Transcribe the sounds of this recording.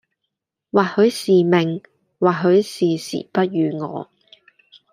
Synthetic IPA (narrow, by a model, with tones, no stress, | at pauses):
waː˨˩thɵ˨˥ɥsiː˨mɪ˨ŋ | waː˨˩ɦɵ˨˧˥ɥsiː˨sḭː˨˩pɐ˥t̚jyː˨˧ŋɔ̰ː˨˧